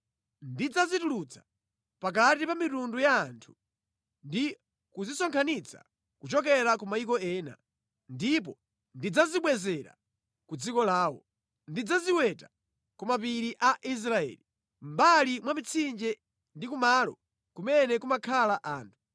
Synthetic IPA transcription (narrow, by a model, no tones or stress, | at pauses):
ndid͡zazitulut͡sʰḁ | pak̬atipamitundujaːntʰu̥ | ndi | kuzisɔŋkʰanit͡sʰa̰ | kut͡ʃɔk̬ɛɾakumaikɔɛːna̰ | ndip̬ɔ | ndid͡zaziɓwɛzɛɾa̰ | kud͡zikɔlaːwɔ̰ | ndid͡zaziwɛtḁ | kumapiɾiʔaʔis̬ɾaɛ̰ːli | m̩balimwamit͡sʰind͡ʒɛ | ndikumaːlɔ̰ | kumɛnɛkumakʰalaʔaːntʰu̥